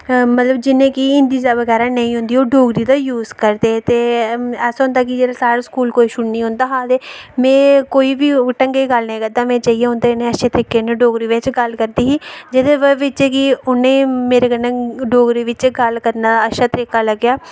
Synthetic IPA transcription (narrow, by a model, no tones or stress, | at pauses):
mət̪ləbd͡ʒɪnẽːkiɪnd̪iːd̪aːʋəɡɛːɾaːnəĩːɦʊ̃nd̪iːoːɖoːɡɾiːd̪aːjuːzkəɾd̪eːt̪eːɛːsɦõːnd̪aːk̬ɪd͡ʒeːɾasaːɾaskuːlkoːiːʃʊɽnĩːɦʊ̃nd̪aːɦaːd̪eːmɛ̃ːkoːiːʋiːʈəŋɡeːɡəlnẽːɡəd̪aːmɛ̃ːt͡ʃaːiːeːɦʊ̃nd̪eːɪnẽːəʃeːt̪əɾɪkeːneɖoːɡɾiːʋɪt͡ʃɡəlkəɾd̪iːɦiːd͡ʒɪd̪eːʋəʋɪt͡ʃekɪʊnẽːmeːɾeːɡənẽːɖoːɡɾiːʋɪt͡ʃɡəlkəɾnaːəʃaːt̪əɾɪkaːləɡjaː